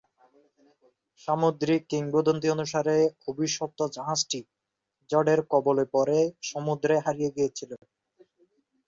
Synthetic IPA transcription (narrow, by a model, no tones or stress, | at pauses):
ʃamod̪ɾikːiŋbod̪ont̪̬ionuʃaɾeobʱiʃop̚t̪od͡ʑaɦad͡ʑʈi | d͡ʑɔɖeɾkɔbolepɔɾeʃomud̪ɾeɦaɾijeɡijet͡ɕʰile